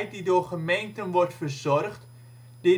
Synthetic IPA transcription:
jt̚didoːrχəmejntənʋɔrtfərzɔrχt | d̥ɪ

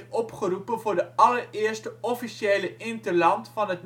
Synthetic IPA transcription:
ɔpχərupənvʊːɹdəɑlərɪːərstəɔfiʃeːləʔɪntərlɑntfɑnɦət̚n

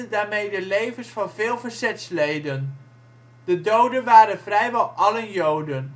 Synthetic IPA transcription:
ədaːɹmejdəlejvənsfɑnvɪːlˠvəɹzɛtslejdən | d̥ədowdənʋaːɾənvrɛjʋɑlˠɑləjowdən

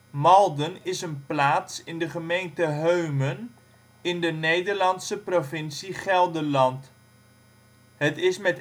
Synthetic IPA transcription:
mɑlˠdənɪsənplaːtsɪndəχəmejntəɦøɥmən | ɪndənejdəɹlɑnsəprovɪnsiχɛlˠdəlɑnt | ɦətɪsmɛt

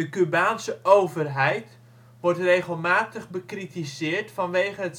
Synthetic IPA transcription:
dəkybaːnsəʔowvərɦɛjt | ʋɔrtrejɣəlˠmaːtəχbəkritizɪːrtfɑnʋeːɣənət

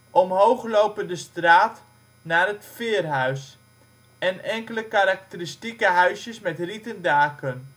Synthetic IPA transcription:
ʔɔmɦowχlowpəndəstraːt | naːrɦətfɪːərɦœɥs | ɛnɛŋkələkaɾak̚təristikəɦœɥsjəsmɛtritəndaːkən

